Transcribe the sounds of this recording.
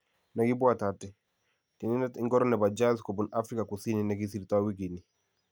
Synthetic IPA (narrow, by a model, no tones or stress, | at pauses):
nɛɡibuatatɛ | tininɛtiŋɡɔɾɔnɛbad͡ʒazkɔbɔnafɾikakusininɛɡisiɾitawiɡini